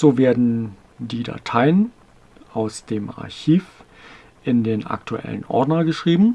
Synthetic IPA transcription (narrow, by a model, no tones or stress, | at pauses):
z̥oːveːɐdn̩ | diːda̰tʰaɪən | ʔaʊsd̥eːma̰ɐçiːf | ʔɪndeːnʔa̰ktʰuʔɛ̰lə̰nʔɔ̰ɐdnɐɡəʃʁ̥iːbm̩